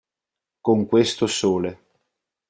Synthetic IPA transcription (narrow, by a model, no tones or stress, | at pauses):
koŋkwest̪osoːle